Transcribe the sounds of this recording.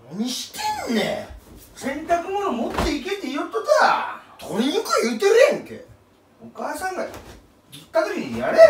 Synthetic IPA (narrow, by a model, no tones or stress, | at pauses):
oɲ̟iɕi̥t̪ennːḛ | sẽ̞nt̪akɯ̟monomot̪ːe̞iket̪ːeijot̪ːot̪aa̰t̪ʰoɾʲiɲikɯjɯːt̪eɾɯjẽŋk̪ḛ | okaːsãŋɡa | d͡ʑit̪ːaɡɯɾiijaɾe